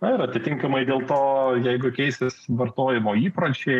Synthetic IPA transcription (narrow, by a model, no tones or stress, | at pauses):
ɐɪɾɐt̪ʲɪt̪ʲɪŋkɐmɐɪd̪ʲeːlˠt̪oːjɛɪɡʊkʲɛɪsʲɪsʋɐrt̪oːjɪmoːiːpɾɐt͡ʃʲeː